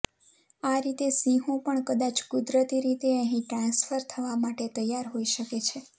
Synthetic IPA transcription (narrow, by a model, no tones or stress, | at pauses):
aɾit̪esĩɦõpəɳkəd̪at͡ʃkud̪ɾət̪iɾit̪eə̃ɦĩʈɾãnsfəɾt̪ʰəʋamaʈet̪əjːaɾɦoiʃəket͡ʃʰe